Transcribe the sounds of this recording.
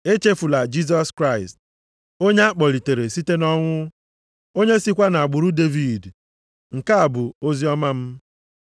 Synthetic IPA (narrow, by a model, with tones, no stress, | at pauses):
e˦t͡ʃe˦fu˨la˨d͡ʒi˦s̬ɔ˦skɾa˦˨ɪ˨st | o˦ɲe˦a˦k͡pɔ˨ɾi˨te˨ɾe˨si˦te˦nɔ˦ŋʷʊ˦ | o˦ɲe˦si˦kʷa˦na˨a˨ɡ͡bʊ˨ɾu˦de˦vi˨d | ŋ̩˨ka˦a˨bʊ˨o˦zi˦ɔ˦ma˦m̩˦